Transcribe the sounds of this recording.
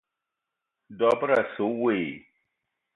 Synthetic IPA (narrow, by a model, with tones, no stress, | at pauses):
dɔ˨pə˦ɾa˨so˨˦we˨